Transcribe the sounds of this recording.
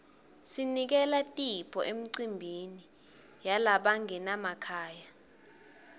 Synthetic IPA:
sinik̬ɛlatʼipʰɔʔem̩ǀimbʱini | jalaɓaŋɛnamakʰaːja

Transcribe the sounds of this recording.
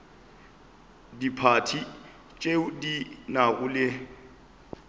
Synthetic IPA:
dipʰatʰi | t͡ʃʼedinaɣʊlɪ

